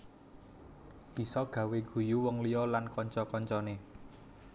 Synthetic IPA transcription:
b̥i̤sɔɡ̥ä̤weɡ̥ṳjuwɔŋlijɔlankɔɲt͡ʃɔkɔɲt͡ʃɔne

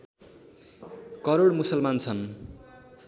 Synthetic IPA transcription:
kʌɾoɽmusʌlmant͡sʰʌn

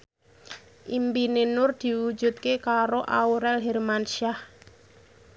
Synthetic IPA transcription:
ʔimbinenʊrd̪̥i̤wu̥d͡ʒṳt̪̚kekaɾoʔauɾɛlɦɛrmanʃiah

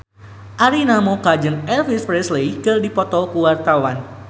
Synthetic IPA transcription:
ʔaɾinamokad͡ʒɨŋɛlfispɾɛslejkərdipɔt̪ɔkuwart̪awan

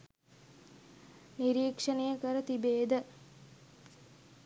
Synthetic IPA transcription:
niɾiːkʂənəjəkəɾət̪ibeːd̪ə

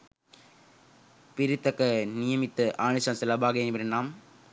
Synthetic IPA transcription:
pɪɾɪt̪ːɐkːɐnɪjɐmɪt̪ːɐʔaːɳɯsɐnsɛlɐbaːɣɐɐnɪbɐɾɐnːaːm

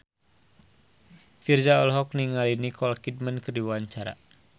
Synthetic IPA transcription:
fird͡ʒaɔlɦɔk̚niŋalinikɔlkid̚mənkərdiwaɲt͡ʃaɾa̰

